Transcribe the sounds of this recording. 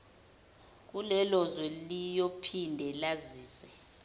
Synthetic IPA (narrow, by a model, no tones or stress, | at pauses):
k̬ulɛlɔzwɛlijopʰindʱɛlaziːsɛ